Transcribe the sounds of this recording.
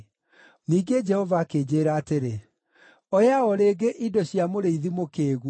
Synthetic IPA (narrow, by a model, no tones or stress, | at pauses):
niːɡed͡ʒɛhɔvaːkeːd͡ʑeːɾaːteɾe | ɔjaɔɾeːɡeʔidɔɕiamoɾeiðimokeːɣ